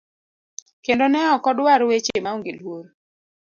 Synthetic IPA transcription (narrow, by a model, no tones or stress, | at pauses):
kendonɛɔkɔdwaɾwet͡ʃemaɔŋɡelwoɾ